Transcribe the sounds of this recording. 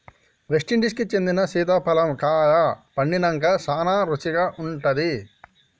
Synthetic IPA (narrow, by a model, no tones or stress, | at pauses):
ʋeʂʈiɳʈiskit͡ʃend̪inɐsiːd̪aːpɐlɐmkaːjapɐɳːinɐŋkasaːnaːɾut͡ʃiɡaːʔuɳʈɐd̪i